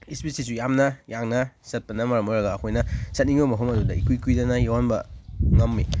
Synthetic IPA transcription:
ispisis̬ujamnɐjaŋnɐsɐt̚pɐnɐmɐɾɐmojɾɐɡaːkʰojnɐsɐt̚niŋbɐmɐɦomɐdudɐikujkujdɐnɐjawanbɐ̰ŋɐmːi

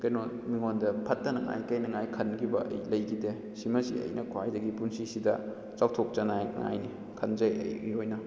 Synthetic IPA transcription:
kɐjno | miŋondɐpʰɐtːɐnɐŋa̰jkɐjnɐŋajkʰɐnɡibɐʔɐ̰jlɐjɡide | simɐsḭɐ̰jnɐkʰwajdɐɡipunsisidɐ̰ | t͡ʃawtʰok̚t͡ʃɐnajŋa̰jni | kʰɐnzɐjɐ̰jmiojnɐ

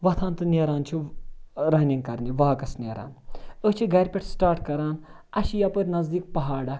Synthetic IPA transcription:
ʋɐt̪ʰaːnt̪ɨnʲeːɾaːnt͡ʃʰi | ɾɐɦnʲiŋɡkɐɾniʋaːkɐsnʲeːɾa̰ːnət͡ʃʰiɡɐɾʲpʲeʈsʈaːɾʈkɐɾaːn | ɐʃijaːpəɾʲnɐzd̪iːk̚pɐɦaːɽa

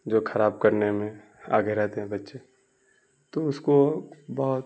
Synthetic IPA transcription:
d͡ʒoːxʰɐɾaːb̚kɐɾnemẽ | a̰ːɡeɾɛɦt̪eɦɛ̃bɐtːʃe | t̪oʊskobɔɦʊt̪

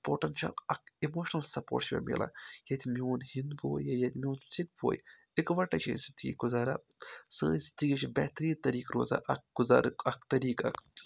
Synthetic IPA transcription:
poːʈɐnʃʰɐ̰lɐk̚ʰimoːʃnɐlsɐpo̰ːʈʃʋʲḛmḭla̰jɐt̪imioːnhind̪boːjjɐjɐt̪ʲmʲioːnsik̚bo̰ːjikʋɐʈɐt͡ʃʰḭzid̪iɡʲḭɡuzaːɾa̰ | səːzid̪iɡʲit͡ʃibɛːt̪ɾiːnt̪ɐɾiːkɾo̰ːza̰ʔɐk̚ɡ̥uzaːɾkɐk̚t̪ɐɾiːkɐk

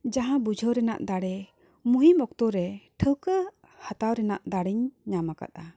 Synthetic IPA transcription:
d͡ʒaɦãbud͡ʒʱəɾɛna̰ʔd̪aɽɛ | muɦimɔk̚t̪ɔɾɛʈʰəkə | hat̪awɾɛna̰ʔd̪aɽiɲɲamaka̰t̪̚a

